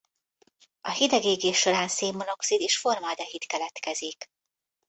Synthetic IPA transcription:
ɒhid̪ɛɡeːɡeːʃʃːo̞ɾaːnseːmːono̞ksid̪eːʃfo̞rmaːd̪ɛɦit̪kɛlɛt̪kɛzik

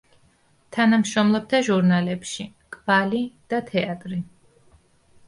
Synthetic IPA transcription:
t̪ʰanamʃɾɔmlˠɔp̚t̪ʰaʒuɾnalɛpʃi | kʼv̥alid̪̥at̪ʰɛat̪ʼɾi

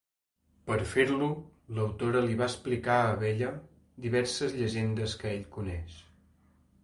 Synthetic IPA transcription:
pəɾfeɾluləwt̪oɾəliβaəsplikaəβɛʎə | d̪iβɛɾsəzʎəʒend̪əskəeʎkunɛʃ

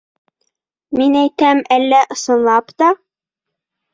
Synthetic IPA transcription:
minæjt̪æmælːæʔɤ̆sɤ̆nlˠɑpt̪ɑ

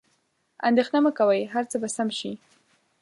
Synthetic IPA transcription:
a̰nd̪exnaməkawajɦaɾt͡səbasamʃi

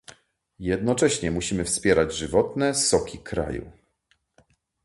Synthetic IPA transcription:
jɛd̪nɔt͡ʂɛɕɲɛmuɕimɘfspʲjɛɾad͡ʑʐɘvɔt̪nɛsɔkʲikɾa̰jṵ

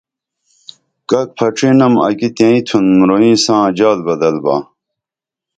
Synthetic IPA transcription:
kɐk̚pʰɐʈ͡ʂinɐmɐ̰kit̪ẽːĩt̪ʰunmɾoĩːsãːd͡ʑaːlbɐd̪ɐlba̰ː

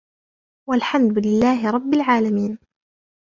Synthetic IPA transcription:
walħamd̪lɪlːaːɦɪɾˤɑbːɪlʕaːlamiːn

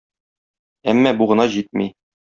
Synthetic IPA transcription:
æmːæbuʁɤ̆nɑʑit̪̚mi

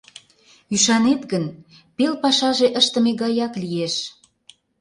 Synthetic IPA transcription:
yʃɑnet̪ɣən | pelpɑʃɑʒeʔəʃt̪ə̆meɣɑjɑklieʃ

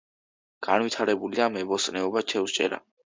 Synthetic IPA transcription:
ɡ̥anwit̪ʰaɾɛbulid̪amɛbɔsʼnɛɔbat͡ʃʰɛwst͡ʃʼɛ̰ɾa̰

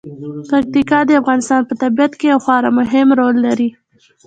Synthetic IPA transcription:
pak̚t̪ikɑd̪əafɣɑnɪst̪ɑnpət̪abijat̪kejawxwɑɾamʊɦɪmɾolːaɾi

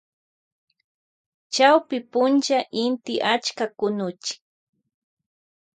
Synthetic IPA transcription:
t͡ʃawpɪpʊnt͡ʃaʔɪnt̪ɪʔat͡ʃkakʊnʊt͡ʃɪ̥k

